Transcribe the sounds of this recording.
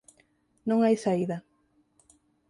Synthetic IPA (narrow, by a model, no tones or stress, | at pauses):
nõŋajsaiðɐ